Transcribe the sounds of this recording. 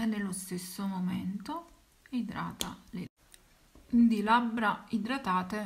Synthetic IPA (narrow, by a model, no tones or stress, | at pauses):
ɛnːelːost̪esːomomɛnt̪o | id̪ɾa̰ːt̪ale | d̪ilabːɾaid̪ɾat̪aːt̪e